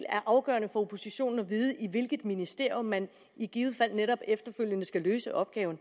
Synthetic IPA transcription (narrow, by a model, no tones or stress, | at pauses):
læɐʔɑ̈ʊɡ̥ɶ̰ɐnəfɒ̽o̝pʰo̝siɕo̝̰ːn̩ɒ̽ʋiːð̞ˠəʔiʋe̝lɡ̥əðˠminisd̥e̝ɐ̰jomːæn | iɡ̥iːʊð̩ˠfæl̰neɾɒ̽b̥efd̥ɐføl̰jənəsɡ̥æløːsəʔɒ̽b̥̚ɡ̥ɛːʊn̩